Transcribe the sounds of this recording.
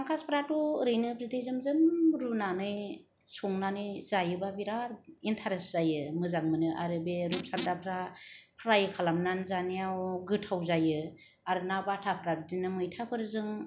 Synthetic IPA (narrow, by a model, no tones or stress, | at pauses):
aŋkʰaspʰɾatuɾɯjnɯbzidejzɯmzɯmɾunanɯj | sɔŋnanɯjz̥ajɯbabiɾaɾintʰaɾesz̥ajɯmɯzaŋmɯnɯʔa̰ɾɯbeɾup̚sandapʰɾapʰɾajɯkʰalamnanzanijawɡɯtʰːawzajɯ | aɾɯnabatʰapʰɾat̚dinɯmɯjtʰapʰɯɾɯzɯŋ